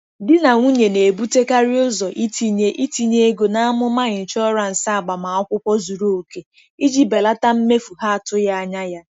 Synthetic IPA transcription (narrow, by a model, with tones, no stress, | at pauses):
dɪ˦na˨ŋʷu˦ɲe˨ne˨bu˦te˦ka˦ɾɪ˦ʊ˦zɔ˨ʔi˦tʰi˨ɲe˦ʔi˦ti˦ɲe˦e˦ɡo˨na˦a˦mʊ˦ma˦ɲɪ˨n̩˨t͡ʃɔ˦ɾa˨n̩˨sa˦a˨ɡ͡ba˨ma˨ɔ˦kʷʊ˦kʷɔ˦zu˨ɾo˦u˨ke˨ | i˦d͡ʒi˦be˨la˦ta˦m̩˦me˦fu˨ɦa˦a˨tʊ˦ja˦a˦ɲa˦ja˦